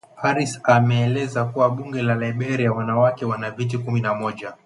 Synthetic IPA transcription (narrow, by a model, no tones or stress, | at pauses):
haɾisamɛːlɛzakuwaɓuŋɡɛlalaiɓɛɾiawanawakɛwanavit̬ikuminamɔʄa